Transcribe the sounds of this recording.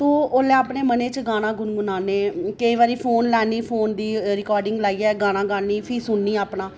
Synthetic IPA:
t̪oːoːleaːpneːməneːt͡ʃɡaːñãːɡʊnɡʊnaːneːkəiːʋaːɾiːpʰoːnlɛːniːpʰoːnd̪iːɾɪkɔːɾɖɪŋɡlaːiːɛːɡaːnãːɡaːnːiːpʰiːsʊnːiːaːpnãː

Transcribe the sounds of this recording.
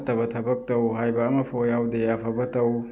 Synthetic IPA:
tɐbɐt̪ʰɐbɐk̚tɐwɦajbɐːmɐpʰojawd̪eapʰɐbɐtɐw

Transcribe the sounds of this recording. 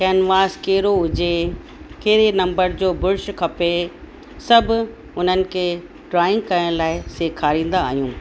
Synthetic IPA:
kɛːnʋaːskeːɾoɦʊd͡ʑe | keːɾenɐ̃mbəɾd͡ʑoːbʊɾʃkʰɐpe | sɐbʱ | ʊn̤ənɪ̆kʰeː | ʈɾaːɪ̃ŋɡkɐəɽ̃laːɪseːkʰaːɾĩːn̆d̪aːɦijũː

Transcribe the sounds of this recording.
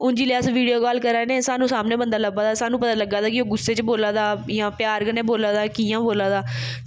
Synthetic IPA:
ʊnd͡ʒiːleːəsʋiːɖioːkaːlkəɾaːnẽːsaːnũːsaːmnẽːbənd̪aːləbaːd̪aːsaːnũːpət̪aːləɡaːd̪aːkɪoːɡʊsːeːt͡ʃboːlaːd̪aːjãːpɪjaːɾkənẽːboːlaːd̪aːkijãːboːlaːd̪aː

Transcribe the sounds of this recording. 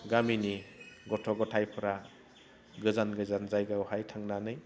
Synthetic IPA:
ɡaminiɡɔtʰɔɡɔtʰajpʰɯɾa | ɡɯzanɡɯzanzajɡawhajtʰaŋnanɯj

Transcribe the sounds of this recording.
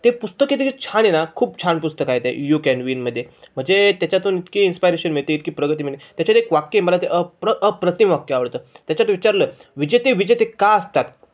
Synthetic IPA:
t̪epust̪əket̪ed͡ʑet͡ɕʰaɽ̃enakʰuːp̚t͡ɕʰaɳpust̪əkajt̪ḛjukɛnʋiːnməd̪ʱːjem̤əɳd͡zet̪jat͡ɕjat̪onit̪kiːinspajɾeɕənmiɭt̪eit̪̚kiːpɾəɡət̪̬iːmiɭt̪et̪jat͡ɕat̪ekʋakjeməlat̪eʔəpɾəʔəpɾət̪imʋakjəaʋəɽt̪əːt̪jat͡ɕat̪oʋit͡ɕaɾləːʋid͡ʑet̪eʋid͡ʑet̪ekaəst̪at̪

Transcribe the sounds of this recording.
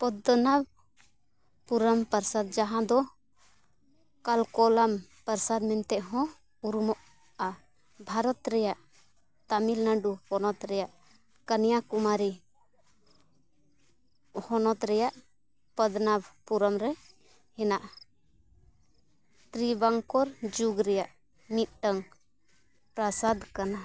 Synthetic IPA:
pɔd̪nab | puɾəmpəɾsad̪̚d͡ʒaɦãd̪ɔ | kalkɔlampəɾsad̪mɛnt̪ɛʔɦɔ̃ | uɾumɔʔ | a | bʱaɾɔt̪ɾɛjaʔ | t̪amilnaɖuhɔnɔt̪ɾɛjaʔ | kənijakumaɾi | hɔnɔt̪ɾɛjaʔ | pəd̪nabpuɾamɾɛ | hɛnaʔ | t̪ɾibaŋkɔɾd͡ʒuɡɾɛjaʔ | mit̪̚ˀʈəŋ | pɾasad̪kana

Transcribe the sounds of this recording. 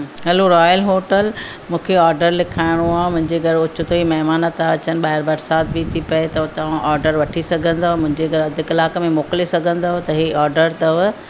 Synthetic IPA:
ɦɐloɾɔːjəlɦoːʈəl | mũːkʰeɔːɾɖəɾlɪkʰaːɪɽ̃oaːmʊ̃ɦɪ̃ɲd͡ʑeɡɐɾʊt͡ɕʊt̪ʰoimɐɦmaːnət̪aɐt͡ɕənɪ̆ɓaːɪɾbɐɾsaːt̪̚bit̪ʰipɐet̪ɐʋt̪ɐʋãʔɔːɾɖəɾʋɐʈʰisɐɡʱə̃nd̪aːmʊ̃ɦɪ̃ɲd͡ʑeɡʱɐɾɐd̪ʱɪkɪlaːkmẽmoːklesɐɡʱə̃nd̪aːɦt̪ɐɦiʔaːɾɖəɾt̪ɐʋ

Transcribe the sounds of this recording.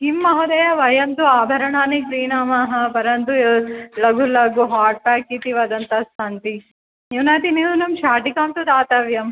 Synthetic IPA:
imːɐɦɐd̪ɐjaʋɐjɐnt̪uaːbʱɐɾɐɳaːniɡɾiːnaːmaːɦɐpɐɾɐnd̪ulɐɡulɐɡuɦaːʈ̚pɛːkːiːt̪iʋaːd̪ɐnt̪ɐsaːnt̪i | junaːt̪iniːnunɐmʃaːʈikaːmt̪ud̪aːt̪ɐːʋjɐm

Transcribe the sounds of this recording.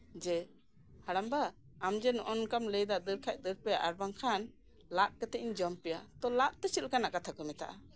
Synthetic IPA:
d͡ʒɛ | haɽambaː | md͡ʒɛnʔɔnkamləjd̪ad̪əɾkʰac̚d̪əɾpɛjaʔaɾbaŋkʰan | laʔ̚kɛt̪ɛʔiɲd͡ʒəmpɛja̰t̪ɔlaʔt̪ɛt͡ʃit̪̚kanaʔkat̪ʰakɔmɛt̪a̰ʔa

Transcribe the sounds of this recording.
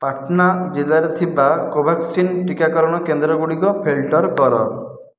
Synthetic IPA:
paʈnad͡ʒelːaɾet̪ʰibakobʱaksinʈikakɔɾɔɽ̃ɔkend̪ɾɔɡuɽikɔpʰelʈɔɾkɔɾɔ̰

